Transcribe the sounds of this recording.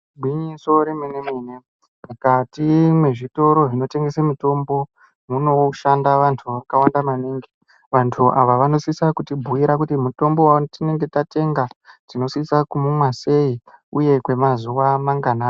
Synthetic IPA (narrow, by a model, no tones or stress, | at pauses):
bʱwiɲiso̞ɾemenemiːne | mukatimwe̞ʐito̞ɾo̞ʐino̞te̞ŋɡesamito̞mbo̞ | muno̞ʃandaʋantʰuʋakawandamaniːŋɡe | ʋantʰuʔaʋaʋano̞sisakutibʱujiɾakutimuto̞mbo̞watine̞ŋɡe̞tate̞ŋɡatino̞sisakumumwase̞iuje̞kwe̞mazuʋamaŋɡana